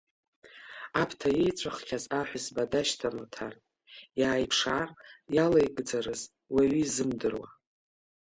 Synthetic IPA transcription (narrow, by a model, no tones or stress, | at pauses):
apʰtʰajejt͡ʃʷʼaχkʲʰazaħʷazbadaʃtʰamatʰar | jaːjpʰʂaːrjalajɡʼd͡zaɾɨz | waɥizɨmdɨrwa̰